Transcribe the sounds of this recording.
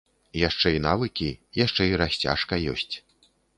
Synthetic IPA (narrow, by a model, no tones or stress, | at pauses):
jaʂt͡ʂɛinavɨkʲijaʂt͡ʂɛiɾasʲt͡sʲa̰ʂkɐjɔ̰sʲt͡sʲ